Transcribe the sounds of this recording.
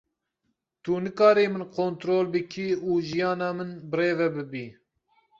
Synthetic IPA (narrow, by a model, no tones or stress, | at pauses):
t̪unɨkɑːɾiːmɨnqʰont̪ɾoːlbɨkʰiuːʒijɑːnɑːmɨnbɨɾeːvɛbɨbiː